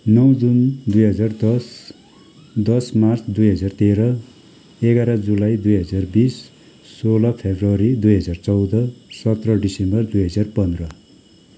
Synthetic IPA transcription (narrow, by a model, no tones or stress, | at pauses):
nʌwd͡zund̪ujɦʌd͡zard̪ʌs | d̪ʌsmart͡sd̪ujɦʌd͡zart̪eɾʌ | eɡaɾʌd͡zulajd̪ujɦʌd͡zarbisː | olʌpʰebrʌɾid̪ujɦʌd͡zart͡sʌwd̪ʌsʌt̪rʌɖisembʌrd̪ujɦʌd͡zarpʌnd̪rʌ